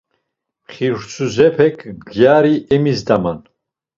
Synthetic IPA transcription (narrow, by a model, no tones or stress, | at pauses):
χiɾt͡sʰuzɛpʰɛkʰɡjaɾiʔɛmizd̪aman